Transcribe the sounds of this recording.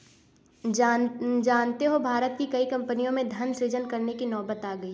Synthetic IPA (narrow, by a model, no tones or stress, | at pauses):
d͡ʒaːnt̪eɦobʱaːɾət̪̚kikɐikɐ̃mpənijõmẽd̪ʱɐnsɾɪd͡ʒənkɐɾnekinɔːbət̪aːɡɐi